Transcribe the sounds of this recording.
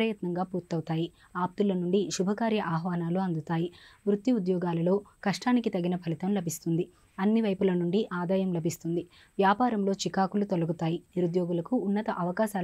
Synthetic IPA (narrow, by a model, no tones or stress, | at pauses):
ɾɐjɐt̪nɐŋɡaːpuːɾt̪ɐwut̪aːji | aːp̚t̪ulɐnuɳɖiʃubʱɐkaːɾjɐʔaːɦʋaːnaːluɐnd̪ut̪aːjiʋɾut̪ːiud̪jɔːɡaːlɐlo̞ːkɐʂʈaːnikit̪ɐɡinɐpʰɐlit̪ɐmlɐbʱist̪und̪i | ɐnːiʋɐjpulɐnuɳɖiʔaːd̪aːjɐmlɐbʱist̪und̪i | ʋjaːpaːɾɐmlo̞ːt͡ʃikaːkulut̪olɐɡut̪aːjiniɾud̪joːɡulɐkuːnːɐt̪ɐʔɐʋɐkaːʃaː